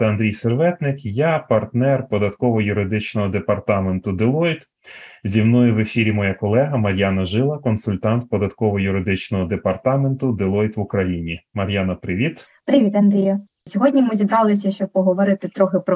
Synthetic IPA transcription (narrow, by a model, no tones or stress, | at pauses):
t̪ɐnd̪ɾʲijserʋɛt̪nɪkjapɐrt̪nɛrpɔd̪ɐt̪kɔʋɔjʊɾɪd̪ɪt͡ʃnɔɦɔd̪epɐrt̪ɑment̪ʊd̪ɪlˠɔjt̪ | zʲimnujʊʋefʲiɾʲimɔjakɔlˠɛɦɐmɐɾʲjɑnɐʒɪlˠɐkɔnsʊlʲt̪ɑnt̪pɔd̪ɐt̪kɔʋɔjʊɾɪd̪ɪt͡ʃnɔɦɔd̪epɐrt̪ɑment̪ʊd̪ɪlˠɔjt̪ʋʊkɾɐjinʲimɐɾʲjanɐpɾɪʋʲit̪ | pɾɪʋʲit̪ɐnd̪ɾʲijɐ | sʲɔɦɔdʲnʲimɪzʲibɾɑlˠɪsʲɐʃt͡ʃɔb̚pɔɦɔʋɔɾɪt̪ɪt̪ɾɔxɪpɾɔ